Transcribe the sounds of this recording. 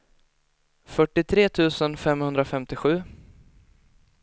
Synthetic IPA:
fœʈːɪt̪ʰɾeːt̪ʰʉ̟ːsənfɛmhɵnd̪ɾafɛmt̪ɪɧʉ̟ː

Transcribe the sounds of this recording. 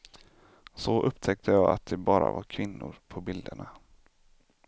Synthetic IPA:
sɔʔɵpːt̪ʰɛk̚t̪ʰəjɑːɡat̪̚d̪ɛbɑːɾavaɾkʰvɪnːʊɾpʰɔbɪld̪əɳa

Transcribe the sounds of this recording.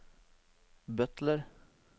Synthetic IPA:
bœt̪ləɾ

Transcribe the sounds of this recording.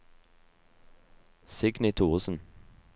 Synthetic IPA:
sɪɡnɪt̪ʰuːʁsn̩

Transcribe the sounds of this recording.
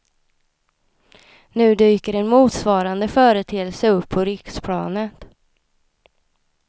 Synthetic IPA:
nʉ̟ːd̪yːkəɾɛnmuːt̪svɑːɾand̪əfœːɾət̪ʰeːəlsəɵpʰːɔɾɪkspʰɽɑ̰ːnət̪

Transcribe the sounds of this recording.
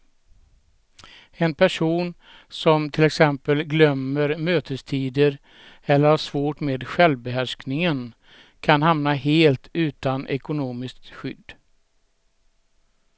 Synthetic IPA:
ɛnpʰæʂuːn | sɔmt̪ʰɪlɛksɛmpəlɡlœmːəɾmøːt̪ʰəst̪ʰiːd̪əɾ | ɛlːəɾhaʂvoːʈmeːd̪ɧɛlvbɛɦæʂknɪŋən | kʰanhamnaɦeːlt̪ʰʉ̟ːt̪anʔɛ̰kʊnoːmɪskt̪ɧʏ̰d̪ː

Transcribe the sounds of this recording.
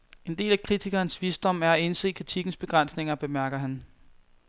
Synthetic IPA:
e̝nde̝̰ːlækʰʁit͡sʰiɡ̥ɐːnsʋiːsd̥ɒ̽m̰æɐæe̝nse̝̰ːkʰʁit͡sʰiɡ̥n̩sb̥e̝ɡ̥ʁan̰sne̝ŋɐb̥e̝mæɐɡ̥ɐɦæn

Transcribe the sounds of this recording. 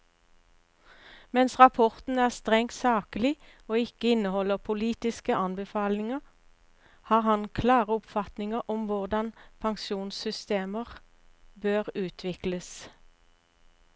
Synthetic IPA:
mɛnsʁɑpʰɔʁt̪n̩æːʁst̪ʁɛŋt̪sɑːkəlɪ | oːɪkəɪnəhɔləʁpʰʊliːt̪ɪskəʔɑnbəfɑːlnɪŋə | hɑːʁhɑnkʰlɑːʁəʊpfɑt̪nɪŋəʁɔmʋʊʁd̪ɑnpʰɑŋʃuːnsʏst̪eːməʁ | bøːʁʉːt̪ʰʋɪkləs

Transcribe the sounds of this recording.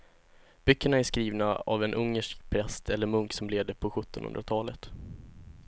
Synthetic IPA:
b̥ʏkːəɳaæʂkɾiːvnaa̰vɛnʔɵŋːəʂkpʰɾɛst̪ʰɛlːəɾmɵŋksɔmleːd̪əpʰɔɧɵt̪ːɔnhɵ̰nd̪ɾat̪ʰɑːlət̪

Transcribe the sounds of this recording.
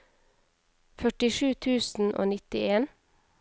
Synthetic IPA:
fœʈɪʃʉːt̪ʰʉːsn̩ʔo̰ːnɪt̪ɪeːn

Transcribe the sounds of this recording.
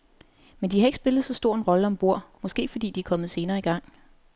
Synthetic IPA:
mend̥ihɑ̈e̝ɡ̥sb̥e̝lð̩ˠsɒ̽sd̥o̝ɐ̰e̝nʁɒ̽ləɒ̽mb̥o̝ɐ̰mɒ̽sɡ̥e̝̰ːfɒ̽d̥ḭːd̥iæɐkʰɒ̽mð̞̩ˠse̝ːnɐːiɡ̥ɑ̈ŋ̰

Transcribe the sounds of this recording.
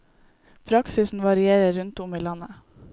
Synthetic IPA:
pʰɾɑksɪsn̩ʋɑɾɪeːɾəɾʉnt̪ʊmiːlɑnə

